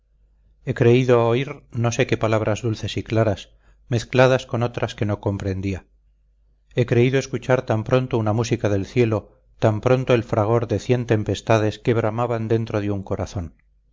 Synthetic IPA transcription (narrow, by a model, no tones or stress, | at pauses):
e̞kɾe̞iðooiɾno̞se̞ke̞palaβ̞ɾʔazðulθe̞siklaɾas | me̞θklað̞asko̞no̞t̪ɾaske̞no̞ko̞mpɾe̞nd̪ia | e̞kɾe̞iðoe̞skut͡ʃaɾt̪ampɾo̞nt̪ounamusikaðe̞lθje̞lo̞ | t̪ampɾo̞nt̪oe̞lfɾaɣ̞o̞ɾðe̞θje̞nt̪e̞mpe̞st̪aðe̞ske̞βɾamaβand̪e̞nt̪ɾoð̞euŋko̞ɾaθo̞n